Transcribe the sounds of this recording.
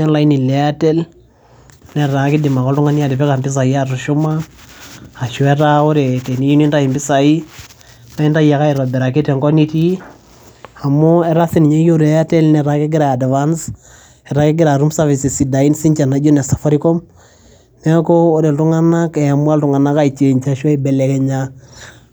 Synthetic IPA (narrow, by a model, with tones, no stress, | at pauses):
a˦nla˦ini˨lɛatɛ˦l | nɛ˨ɾa˨kɪ˦dɪma˨kɔ˦ltʊ˦ŋa˦nja˨dɪ˨fɛ˦ka˨mbɪ˦s̬a˨ja˦ɾu˨ʃu˦maː˦˨ | ʃu˨ɛ˦ɾa˦o˦ɾe˨te˨ni˦i˦ni˦nda˦i˨mbɪ˦sa˨i˦ | na˦i˦nda˦ja˨ka˦i˨ɾɔ˨bɛ˨ɾa˨ke˦tɛ˨ŋkɔ˦ni˦ti˦ | a˨mʊ˦ɛ˦ɾa˦θi˦ni˨ɲa˦jo˦ɾɛ˦ja˦tɛ˦lnɛ˨ɾa˨kɛ˦ɡɪ˦ɾa˨a˨dvans | ɛ˨ɾa˨kɛ˦ɡɪ˦ɾa˨ɾu˦msavi˨si˨si˨da˨i˦nsi˦ɲt͡ʃa˨na˨d͡ʒo˦na˨sḁ˨fa˦ɾi˦kɔ˦m | nɛ˦kɔː˦ɾe˨ltu˦ŋa˦na˦kɛ˨ja˨mu˦a˦ltu˦ŋa˨na˦ka˦i˨t͡ʃe˨ɲt͡ʃa˨ʃa˦ibɛ˨lɛ˨kɛ˦ɲa